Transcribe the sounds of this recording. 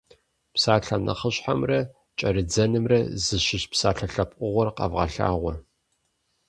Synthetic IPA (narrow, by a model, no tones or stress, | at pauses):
psaːɬanɐ̰χəɕħamrɐ | t͡ʃʼɐɾɨd͡zɐnɨmrɐzɨʃɪʃpsaːɬɐɬɐpʼʔʼʷʊʁʷɔrqɐ̰vʁɐ̰ɬa̰ːʁʷɔ